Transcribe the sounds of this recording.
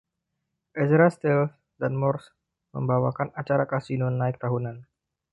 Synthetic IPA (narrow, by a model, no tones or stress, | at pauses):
ʔɛsɾast̪ɛlf | danmɔrs | mə̰mbawakanat͡ʃaɾakasinonaɪk̚t̪aɦunan